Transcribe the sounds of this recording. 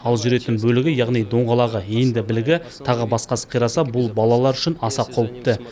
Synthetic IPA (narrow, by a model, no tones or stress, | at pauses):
ɑlˠʒʏɾe̞t̪ɪnbɵlɪɡʲɪjɑʁnijd̪o̞ɴʁɑlˠɑʁəend̪ɪbɪlɪɡʲɪ | t̪ʰɑʁəbɑsqɑsə̥qʰijɾɑsɑbʊlˠbɑlˠɑlˠɑɾʏʃɪnɑsɑqʰowəp̚t̪ə